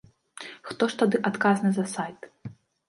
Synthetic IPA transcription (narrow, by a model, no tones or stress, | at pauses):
xt̪ɔʂt̪ad̪ɨʔat̪kaznɨzɐsajt̪